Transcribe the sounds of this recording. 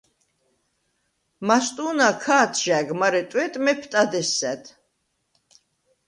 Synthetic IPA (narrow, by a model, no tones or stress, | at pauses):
mast̪ʼunakʰaːt̪ʰʒ̥æɡmaɾɛt̪ʼwɛt̪ʼmɛpʰt̪ʼad̪ɛsːɛt̪ʰ